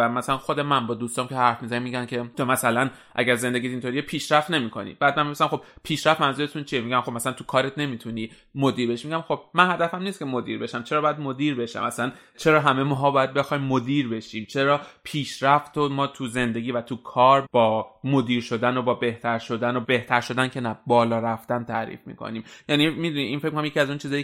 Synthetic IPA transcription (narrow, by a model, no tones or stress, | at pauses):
æmæsælænxo̞d̪e̞mænbɒːd̪uːst̪ɒːmcʰehæɾfmizænimiːɟæncʰe̞t̪ʰomæsælæn | ʔæ̰ɟæɾze̞nd̪e̞ɟʲit̪inʰo̞ɾijepʰiːʃɾæft̪ne̞miːkʰo̞̰nḭːbæːd̪̚mænmbebisæmxo̞b̥̚pʰiːʃɾæft̪mænzuɾet̪ʰunt͡ʃʰijemiːɟæmχo̞bmæsalænt̪ʰu̥kʰɒːɾe̞t̪ʰne̞mit̪ʰuniː | mod̪iːɾbe̞ʃimiɟʲæmxo̞b̥̚mænhæd̪æfæmniːst̪̚cʰe̞mo̞d̪ḭɾbe̞ʃæmt͡ʃʰe̞ɾɒːbjæd̪mo̞d̪iːɾbe̞ʃæ̰mʔæslæn | t͡ʃʰe̞ɾɒːɦæme̞mɔːɦɒːbɒːjæd̪̚be̞xɒːjmːod̪iːɾbe̞ʃiːmt͡ʃʰe̞ɾɒːpʰiːʃɾæft̪omɒːt̪ʰuze̞nd̪e̞ɡʲiːvæt̪ʰukʰɒːɾb̥ɒːmod̪iːɾʃo̞d̪ænobɒːbe̞ht̪ʰæɾʃo̞d̪ænobe̞ht̪ʰæɾʃo̞d̪æncʰe̞næbɒːlɒːɾæft̪ænt̪ʰæ̰ɾḭːfmḭːkʰo̰niːmjænimid̪uniʔinfek̚ʰʲmikʰonæmjecʰiæzunt͡ʃʰiːzɒːji